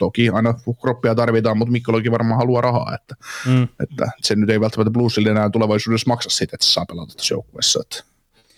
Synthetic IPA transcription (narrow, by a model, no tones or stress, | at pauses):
t̪okiɑinɑkropːiɑt̪ɑrʋit̪ɑːmmut̪mikːolokiʋɑrmɑːhɑluɑrʔɑhɑ̰ːḛt̪ːæ̥ḛt̪ːæ̰senyt̪eiʋælt̪ːæmt̪ːæbluːsːilenæːnt̪uleʋɑisuːdesmɑksɑssit̪et̪se̥sɑːpelɑ̰nt̪ːɑt̪ːo̥sjo̰ukːuʋḛsːɑḛt̪ːæ̥